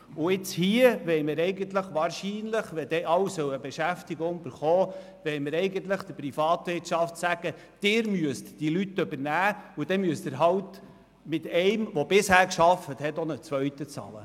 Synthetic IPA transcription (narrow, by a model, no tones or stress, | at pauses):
ʊɪt͡shiəʋɛɪmɪɾɛɪɡənt̪ləχʋɑːɾʃiːnləχʋɛd̥̪ɛʔɑwsœwəbeʃæftiɡʊŋb̥əɾχɔː | ʋɛjmɪɾɛɪɡənt̪ləχd̥əɾpɾifɑːt̪ʋɪɾtʃɑftsæɡ̥ə | d̥ɪːɾmyəstd̥ilyt̪ːɵbəɾnæːʊd̪̥ɛmyəst̪əɾɦɑwt̪ | mɪt̪ɛɪmʋɔbɪshæːɾkʃɑfət̪hɛtɔnət͡sʋœɥt̪ət͡sɑ̰ːlə̰